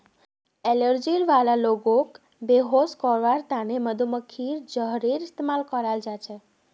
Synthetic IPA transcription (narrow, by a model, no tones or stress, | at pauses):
eləɾd͡ʒiɾʋalaloɡok | beɦoskɔɾʋaɾt̪aneməd̪uməkʰiɾd͡ʒəɦɾiɾist̪emalkəɾald͡ʒat͡ʃʰe